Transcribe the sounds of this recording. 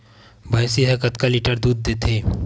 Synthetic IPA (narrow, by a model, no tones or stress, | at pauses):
bʱajsiɦɐkət̪kaliʈəɾd̪uːd̪̚ːeːt̪ʰeː